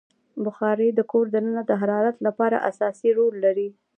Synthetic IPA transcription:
bʊxɑɾed̪əkoɾd̪ənənad̪əɦaɾɑɾat̪lapɑɾa̰ʔa̰sɑsiɾolːaɾi

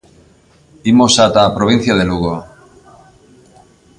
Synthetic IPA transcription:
imosat̪apɾoβ̞in̟θjaðeluɣo

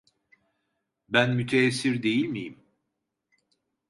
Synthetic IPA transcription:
bænmyt̪ʰeːsːiɾd̪e̞jilʲmijim

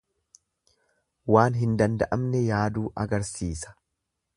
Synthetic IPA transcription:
waːnɦɪnd̪ɐnd̪ɐʔɐmnɛjaːd̪uːʔɐɡɐɾsiːsɐ̥

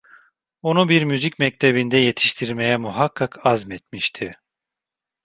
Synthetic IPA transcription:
onubiɾmyzicmɛc̚t̪ʰebind̪ɛje̞t̪ʰi̥ʃt̪ʰiɾmejɛmuɦakʰːakʰazmɛt̪miʃt̪ʰi

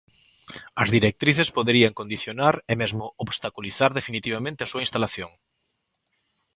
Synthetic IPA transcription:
ɐzðiɾek̚t̪ɾiθespoðeɾiaŋkõnd̪iθjonaɾemezmʊoβst̪akuliθaɾðefinit̪iβ̞amẽnt̪easuɐinst̪alaθjoŋ

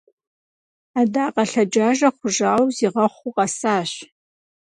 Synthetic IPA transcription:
aːdaːqʼɐɬɐd͡ʒaːʒɐχʷʊʒaːwziːʁɐχʷuqʼɐsaːɕ

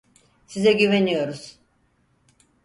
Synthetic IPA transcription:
sizɛɟyvenijo̞ɾuz̥

